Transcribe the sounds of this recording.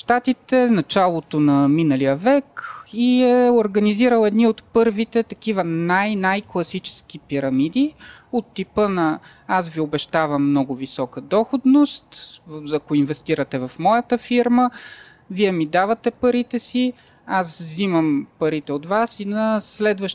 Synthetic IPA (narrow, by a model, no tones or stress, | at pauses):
ʃt̪at̪it̪ɛnɐt͡ʃalˠot̪onɐminɐlijəvɛkiɛoɾɡəniziɾəlˠɛd̪niot̪pɤɾvit̪ɛt̪ɐk̟ivənajnajklˠɐsit͡ʃɛ̥sk̟ipiɾɐmid̪iot̪ːipɤnɐ | asviobɛʃt̪avəmːnɔɡʊvisɔkəd̪ɔxod̪nost̪ɐkoinvɛst̪iɾət̪ɛvɐfmɔjət̪əfiɾmə | viɛmid̪avət̪ɛpɐɾit̪ɛsi | asziməmpɐɾit̪ɛot̪vasinɐslɛd̪vəʃ